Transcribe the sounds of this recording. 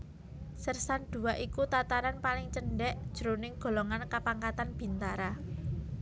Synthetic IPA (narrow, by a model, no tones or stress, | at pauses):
sərsand̪̥ṳaʔikut̪at̪aɾanpalɪŋt͡ʃənɖɛʔd̥ʒ̥əɾonɪŋɡ̥o̤lɔŋankapaŋkat̪anb̥i̤nt̪aɾa